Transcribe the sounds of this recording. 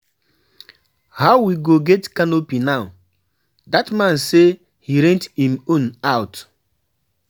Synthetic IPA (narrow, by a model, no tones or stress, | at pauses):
haʊwiɡoɡɛtkanopinaʊ | datmãnse | hiɾẽntimũn̩aʊt